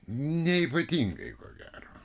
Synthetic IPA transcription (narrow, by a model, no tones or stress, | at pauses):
nʲɛipɐt̪ʲiŋɡɐ̰ɪko̰ːɡʲæːro̰ː